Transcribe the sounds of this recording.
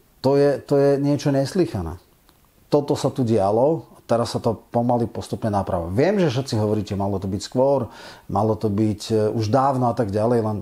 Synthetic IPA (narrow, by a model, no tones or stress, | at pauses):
t̪ɔjɛt̪ɔjɛɲɪɛt͡ʃɔɲɛsliːxanɛ̰ː | t̪ɔt̪ɔsat̪uɟɪalɔat̪ɛɾasːat̪ɔpɔmalipɔst̪upɲɛnapɾa̰ʋa̰ʋɪɛmʒɛfʃ̬ɛt̪t͡siɦɔʋɔɾiːcɛmalɔt̪ɔbicskʋɔɾmalɔt̪ɔbicuʒd̪aːʊnɔat̪aɡɟalɛjlɛn